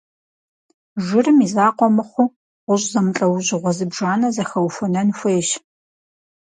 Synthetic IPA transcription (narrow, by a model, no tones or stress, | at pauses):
ʒɪrɨmizaːqʷɔmɨχʷʊ | ʁʷʊɕʼzɐmɬʼɐwʑɪʁʷɔzɨbʒaːnɐzɐxɐwfʊnɐnfʷeːʃ